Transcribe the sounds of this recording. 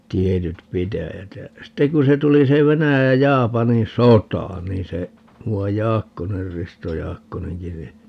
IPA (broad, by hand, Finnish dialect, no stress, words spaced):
tietyt pitæjæt jæ sitːeŋ ku se tuli se ʋenæjæj jɑ jɑːpɑnin sotɑˑ niːn se muɑj jɑːkːoner risto jɑːkːoneŋki ni